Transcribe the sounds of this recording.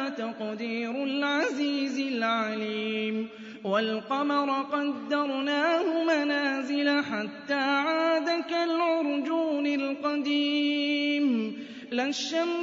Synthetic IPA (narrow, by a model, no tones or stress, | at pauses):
t̪aqd̪iːɾʊlʕaziːzɪlʕaliːm | walqɑmɑɾˤqɑd̪ːɑɾˤnaːhʊmanaːzɪlaħat̪ːaːʕaːd̪akalʕʊɾˤd͡ʒuːnɪlqɑd̪iːm | laʃːam